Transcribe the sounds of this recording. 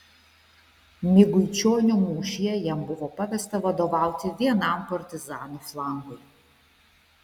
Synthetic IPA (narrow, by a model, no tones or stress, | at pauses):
mʲɪɡʊjt͡ʃʲoːnʲʊmuːʃʲijɛjɛmbʊʋɔpɐʋʲɛst̪ɐʋɐd̪oʋɑˑʊt̪ʲɪʋʲiɛnɐmpɐɾʲt̪ʲɪzɑːnuflˠɑːŋɡʊj